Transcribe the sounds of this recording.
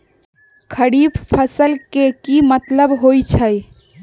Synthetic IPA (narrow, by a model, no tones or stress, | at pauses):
kʰəɽibpʰəsəlkekimət̪ləbɦojt͡ʃʰəj